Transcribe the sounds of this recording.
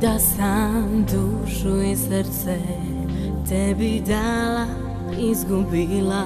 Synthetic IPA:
d̪asamd̪uʃuisəɾt̪sɛ | t̪ʰɛbid̪ala | izɡubila

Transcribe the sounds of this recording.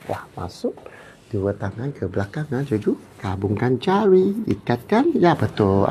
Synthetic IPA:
wa̰hma̰sʊk̚ | d̥uwət̪aŋankʰəblakaŋand͡ʒad͡ʒu | kabuŋkant͡ʃaɾiḭkat̪̚kanjabət̪ʊl

